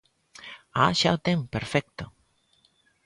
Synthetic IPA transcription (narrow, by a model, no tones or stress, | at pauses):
aʃalt̪empəɾfɛk̚t̪ə